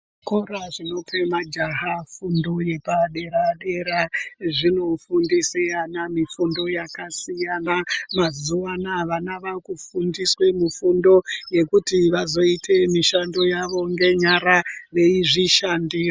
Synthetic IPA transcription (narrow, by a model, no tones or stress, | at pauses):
koɾaʐino̞pʰe̞mad͡ʒaɦafundo̞je̞paɗe̞ɾaɗe̞ɾaʐino̞fundisianamifundo̞jakasijanamazuwanaʋanaʋakufundiswe̞mufundo̞je̞kutiʋazo̞itʰe̞miʃando̞jaʋo̞ŋɡe̞ɲaɾaʋe̞iʐiʃandiːro